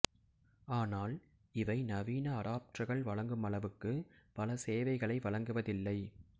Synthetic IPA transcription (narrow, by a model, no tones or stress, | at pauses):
aːnaːl | ɪʋɐɪnɐʋiːnɐːɾaːp̚ʈrɐɣɐɭʋɐɭɐŋɡɯmɐɭɐʋɯkːɯpɐlɐseːʋɐɪɣɐɭɐɪʋɐɭɐŋɡɯʋɐðɪlːɐɪ